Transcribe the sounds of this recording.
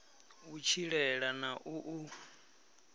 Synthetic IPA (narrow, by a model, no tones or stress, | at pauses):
ut͡ʃʰiɺɛɺanaʔuʔu